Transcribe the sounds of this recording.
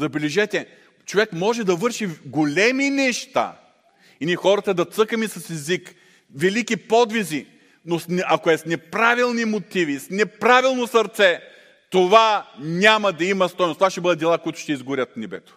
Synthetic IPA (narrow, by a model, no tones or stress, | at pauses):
zɐbɛlɛʒɛt̪ʲɛ | t͡ʃovɛkmɔʒɛd̪ɐvɤɾʃiɡolʲɛminɛʃt̪a̰ | inixɔɾɐt̪ɐd̪ɐt̪sɤkəmisɐsɛzik | vɛlikipɔd̪vizi | nosɐkoɛsnɛpɾavilˠnimot̪ivisnɛpɾavilˠnosɐɾt̪sɛ | t̪ovanʲamɐd̪ɐimɐst̪ɔjnst̪ovaʃt̪ɛbəd̪ɐd̪d̪ɛlˠakoit̪ʊ̥ʃt̪ɛizɡʊɾʲət̪̚nɛbɛ̰t̪o̥